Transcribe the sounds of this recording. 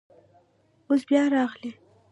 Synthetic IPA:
os̬bjɑɾɑɣle

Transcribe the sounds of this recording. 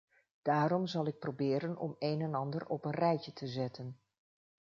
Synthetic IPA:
d̥aːɾɔmzɑlˠɪk̚probɪːɾənɔ̰mejnɛnɑndərɔpənrɛjcətʰəzɛtən

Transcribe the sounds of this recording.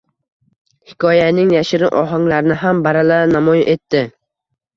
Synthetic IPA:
hɪkʰɒjanɪŋjaʃɪɾɪʔɒɦaŋlaɾɪnɪɦambaɾalanamɒjʔe̞t̪ːɪ

